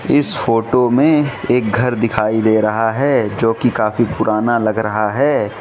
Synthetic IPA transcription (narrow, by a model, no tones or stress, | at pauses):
ɪsfoːʈomẽeːk̚ɡʱɐɾd̪ɪkʰaːid̪eːɾɐɦaɦɛːd͡ʒoːkikaːfipʊɾʔaːnalɐɡɾɐɦaɦɛː